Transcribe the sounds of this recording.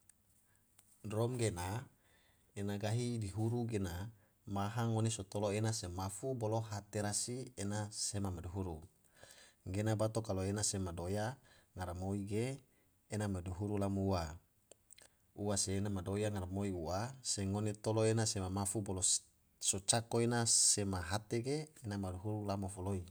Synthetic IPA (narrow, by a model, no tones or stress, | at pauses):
drɔmɡena | enaɡaɦidiɦuɾuɡena | maɦaŋonesot̪oloenasemafuboloɦat̪eɾasienasemamaduɦuɾu | ɡenabat̪okaloenasemadojaŋaɾamoiɡeː | namaduɦuɾulamuuwa | uwaseːnamadojaŋaɾamoiuaseŋonet̪oloenasemamafubolo | sot͡ʃakoenasemaɦat̪eɡeːnamaduɦuɾulamofoloi